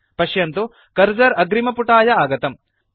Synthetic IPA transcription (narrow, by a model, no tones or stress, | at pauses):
pɐʃjɐnt̪u | kɐɾd͡ʒɐɾɐɡɾimɐpuʈaːjɐaːɡɐt̪ɐm